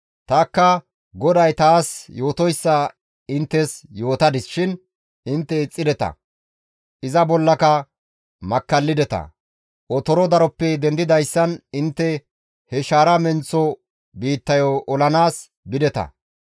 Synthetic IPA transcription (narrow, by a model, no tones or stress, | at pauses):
t̪ɐːkːɐ | ɡɔd̪ɐjt̪aːsjo̞ːt̪ɔjsːɐ | ɪnt̪ːɛsjo̞ːt̪ɐd̪ɪsʃɪn | ɪnt̪ːɛɪt͡sʼːɪd̪ɛt̪ɐ̰ | ʔɪzɐbɔlːɐkɐ | mɐkːɐlːɪd̪ɛt̪ɐ̰ | ʔɔt̪ɔɾɔd̪ɐɾɔpːɛd̪ɛnd̪ɪd̪ɐjsːɐnɪnt̪ːɛ | hɛʃaːɾɐmɛnt͡sːɔ | biːt̪ːɐjɔʔɔlɐnaːs | bɪd̪ɛt̪ɐ̰